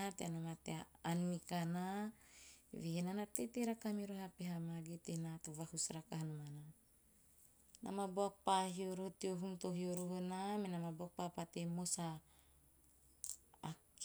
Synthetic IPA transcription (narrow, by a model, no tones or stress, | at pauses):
t̪eanomat̪eaːnːikana̰ | veenanat̪et̪eɾakamiɾoɦapeɦamaɡet̪enat̪ovahusɾakahanomana | nʔa̰maboak̚paɦioɾohot̪ioɦuŋt̪oɦioɾoɦonamenamaboak̚papat̪emosa | k